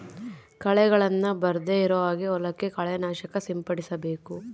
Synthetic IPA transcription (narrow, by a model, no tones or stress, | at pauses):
kɐɭɛɡɐɭɐnːɐbɐɾd̪eiɾɐʋaːɡiɔlɐkːekɐɭɛnaːʃɐkɐsimpɐɽisɐbe̞ːku